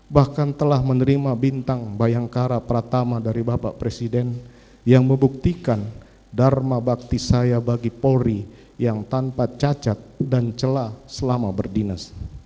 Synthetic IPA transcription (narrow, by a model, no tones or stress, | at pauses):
bahkant̪əlahmənəɾimabint̪aŋbajaŋkaɾapəɾat̪amadaɾibapa̰ʔpɾesidɛn | jaŋməmbuk̚t̪ikan | darmabak̚t̪isajabaɡipoɾi | jaŋt̪ampat̪̚t͡ʃat͡ʃat̪̚dant͡ʃəlasəlamabərdinas